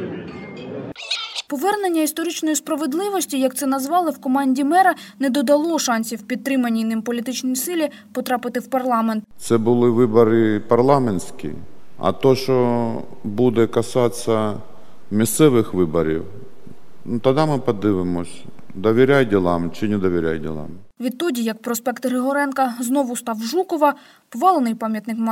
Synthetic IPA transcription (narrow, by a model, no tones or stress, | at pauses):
pɔʋɛrnenʲːɐist̪ɔɾɪt͡ʃnɔjispɾɐʋed̪lˠɪʋɔsʲtʲijɐk̚t̪sɛnɐzʋɑlˠɪwkɔmɑnʲdʲimɛɾɐnɛd̪ɔd̪ɐlˠɔʃɑnʲsʲiwpʲit̪̚t̪ːɾɪmɐnʲːijnɪmpɔlʲit̪ɪt͡ʃnɔjsɪlʲi | pɔt̪ɾɑpɪt̪ɪwpɐrlˠɑment̪t̪sɛbʊlˠɪʋɪbɔɾɪpɐrlˠɑmenʲsʲkʲḭɐ̰t̪ɔʃt͡ʃɔ | bud̪ɛkɐsɑt͡sʲːɐ | mʲist̪sɛʋɪxʋɪbɔɾʲḭw | nut̪ɐd̪amɪpɐd̪ɪʋɪmɔsʲd̪ɔʋʲiɾʲajdʲilˠamt͡ʃɪnɛd̪ɔʋʲiɾʲa̰jdʲḭlˠɑ̰mʋʲid̪̚t̪ːɔdʲijɐk̚pɾɔspɛkt̪ɦɾɪɦɔɾɛnkɐznɔʋʊst̪ɑwʒukɔʋɐ | pɔʋɑlˠenɪjpɑmʲjɐt̪nɪkm